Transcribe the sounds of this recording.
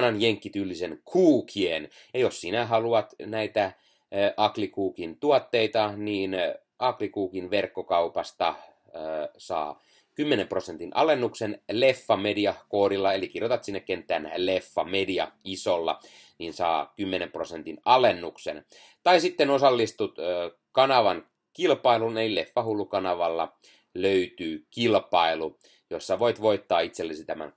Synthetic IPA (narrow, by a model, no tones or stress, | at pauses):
nɑnjeŋkːit̪ylːisenkʰuːkʰien | jossinæɦɑluɑt̪næit̪æ | ʔɑklikuːkint̪uɑt̪ːeit̪ɑniːn | ɑklikuːkinʋerkːokɑupɑst̪ɑ | sɑ̰ː | kymːenemprosent̪inʔɑlenːuksenlefːɑmediɑkoːɾilːɑelikirjot̪ɑt̪sinːekkent̪ːˑæːnlefːɑmediɑisolːɑ̰ | niːnsɑ̰ːkymːenemprosent̪inɑlenːuksḛn | t̪ɑisit̪ːenosɑlːist̪ut̪ː | kɑnɑʋɑn | kilpɑilunelilefːɑhulːukɑnɑʋɑlːɑ | løyt̪yːkilpɑilu | josːɑʋoit̪ʋoit̪ːɑːit̪selːesit̪æmæ̰n